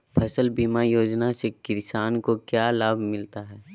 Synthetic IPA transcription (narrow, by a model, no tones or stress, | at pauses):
pʰɐsəlbiːmajoːd͡ʒnasekɪɾsaːnkokjaːlaːbʱmɪlt̪aɦɛː